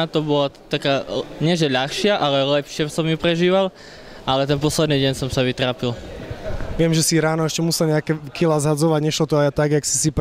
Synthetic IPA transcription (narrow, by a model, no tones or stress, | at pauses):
at̪ɔbɔlat̪akaːɲɪɛʒɛʎaxʃɪaʔalɛlɛpʃɪasɔmjupɾɛʒiːʋal | ʔalɛt̪ɛnpɔslɛd̪niːɟɛɲsɔmsaʋit̪ɾaːpil | ʋɪɛmʒɛsiɾaːnɔɛʃcɛmusɛlɲɛakɛkilaːzɦad͡zɔʋaɟɲɛʃlɔt̪ɔajat̪aɡjaksi̥sip